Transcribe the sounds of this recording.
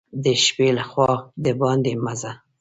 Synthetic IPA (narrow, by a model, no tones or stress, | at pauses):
d̪əʃpelaxwɑd̪əbɑnd̪emaza